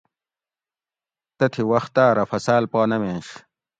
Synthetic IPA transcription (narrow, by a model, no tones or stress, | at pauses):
t̪ɐt̪ʰiwɐxt̪aːɾɐfɐsaːlpaːnɐmeːɕ